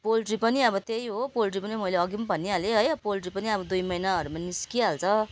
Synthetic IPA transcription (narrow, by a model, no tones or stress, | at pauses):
polʈripʌniʌbʌt̪ejɦopolʈripʌnimʌjleʌɡimabʱʌnːialeɦʌjpolʈripʌniʌbʌd̪ujmʌjnaʌɾumaniskiɦalt͡sʰʌ